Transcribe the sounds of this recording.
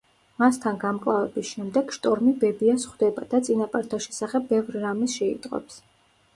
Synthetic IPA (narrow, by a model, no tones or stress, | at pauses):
mast̪ʰanɡamkʼlˠavɛbisʃɛmd̪ɛɡ̥ʃt̪ʼɔɾmibɛbiasχwd̪ɛbad̪̥at̪sʼinapʼaɾt̪ʰaʃɛ̥saχɛbːɛvɾiɾamisʃɛḭt̪ʼqʼɔ̰ps